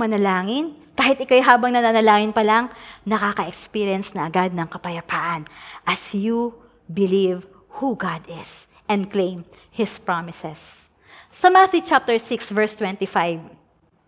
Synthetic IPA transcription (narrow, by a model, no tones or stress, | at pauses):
mɐnɐlaːŋɪnkaːhɪt̪ʔɪkajɦaːbɐŋnɐnanɐlaːŋɪnpɐlɐŋnɐkakɐʔɛkspiɾjɐnsnɐɐɡad̪̚nɐŋkɐpɐjɐpaːʔɐnʔɐsju | bɪliv | huɡad̪ɪs | ʔɛ̃nd̪̚klẽjm | hɪspɹamɪsɛsː | ɐmaθjut͡ʃap̚t̪ɛɹsɪksvɛɹst̪wɛ̃nt̪ifajv